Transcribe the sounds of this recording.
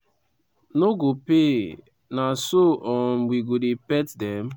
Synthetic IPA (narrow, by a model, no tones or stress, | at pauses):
noɡope | nasoʔɔn̩wiɡodepɛtdɛm̩